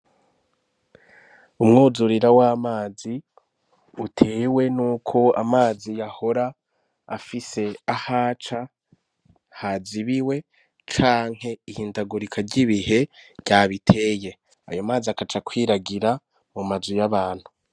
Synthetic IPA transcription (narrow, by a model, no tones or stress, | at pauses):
umŋoːzuɾiɾawamaːzi | utʰe̞ːwe̞nuːkʰo̞a̰maːzijaho̞ɾaː | fise̞ahaːt͡ʃa | haziβiwe̞ | t͡ʃaːŋ̥he̞ihiːndaɡuɾikʰaɾɟiβihe̞ɟaːβitʰe̞ːje̞ | a̰jo̞maːziakat͡ʃakwiːɾaɡiɾa | mumazujaβaːn̥hu